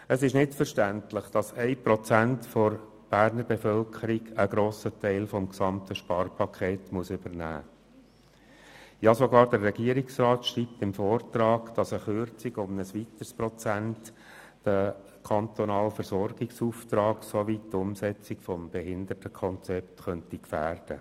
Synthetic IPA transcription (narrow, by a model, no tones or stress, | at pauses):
əsɪʃnɪtfəɾʃtæntləχd̥ɑsɛɪpɾɔt͡sæntfɔɾ | b̥æːɾnəɾbɛfœlkʰəɾiɡəɡɾoːsətæɪlfɔmksɑmtəʃpɑːɾpʰɑkʰχeːtmuəsʏbəɾnæ̰ː | jɑsoɡɑːɾd̥əɾːɛɡiəɾɪksrɑːt̪ʃriːp̚t̪ɪmfɔːrt̪ɾɑːɡ̥d̥ɑsəχøɾt͡siɡʊmnəsʋit̪əɾspɾɔt͡sæntː | ə | kʰɑnt̪ɔnɑːlfəɾsɔɾɡ̥ɪksuftɾɑːɡ̥soʋittʊmsɛt͡sikfɔmb̥ɛɦɪnd̪ətəkʰɔnt͡sɛpt̪χœntikfæːrd̥ə̰